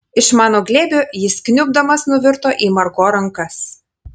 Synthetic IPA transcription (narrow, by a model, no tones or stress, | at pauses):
ɪʃmɑːnoːɡlʲeːbʲojɪsknʲʊbd̪ɐmɐsnʊʋʲɪɾt̪oːʔiːmɐɾɡoːɾɐŋˑkɐs